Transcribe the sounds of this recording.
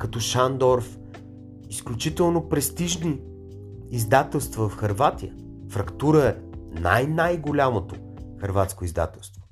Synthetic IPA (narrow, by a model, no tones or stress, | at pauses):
kɐt̪ɔʃand̪ɔɾf | isklʲut͡ʃit̪ɛlˠnopɾɛst̪iʒniː | zd̪at̪ɛlˠst̪vɐvɐfxɐɾvat̪ijə | fɾɐkt̪uɾəɛna̰jnajɡolʲamot̪o | xɐɾvat̪skoizd̪a̰t̪ɛlˠst̪vo